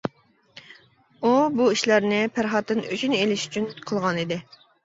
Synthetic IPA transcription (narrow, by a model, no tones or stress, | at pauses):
ubuiʃlæɾnɪpʰæɾχɑt̪ːɨnyt͡ʃʰynelɪʃy̥t͡ʃʰynqʰəlˠʁɑnid̪ɪ